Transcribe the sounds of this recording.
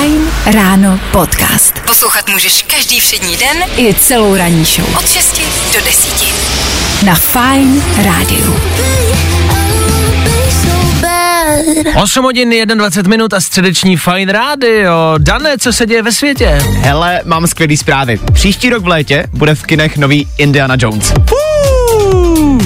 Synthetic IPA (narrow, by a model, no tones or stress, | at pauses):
jnɾaːnopot̪ka̰ːst̪poslowxat̪muːʒɛʃkaʒdiːfr̥ɛdɲiːdɛnʔɪt͡sɛlowɾaɲiːʃo̰wot̪ʃɛscɪ | dodɛsiːcɪ | nafajnɾaːdɪ̰ṵ | aɪsowbɛɾʔo̞sumɦoɟɪnjɛdnadvat͡sɛt̪mɪnut̪ast̪r̥ɛdɛt͡ʃɲiːfajnɾaːdɪo̞danɛːt͡sosɛɟɛjɛvɛsvjɛcɛɦɛlɛmaːmskvjɛliːspɾaːvɪ̰pr̥iːʃciːɾoɡvlɛːcɛbudɛfkɪnɛxnoviːʔɪndɪanad͡ʒownsu